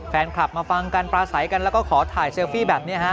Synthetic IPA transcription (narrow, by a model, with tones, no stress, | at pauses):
fɛː˧nkʰla˨˩p̚maː˧fa˧ŋka˧npɾaː˧sa˩˦jka˧nlɛː˦˥wkɔː˥˩kʰɔː˩˦t̪ʰaː˨˩jseː˧wfiː˥˩bɛː˨˩p̚ni˦˥ɐhʰa˦˥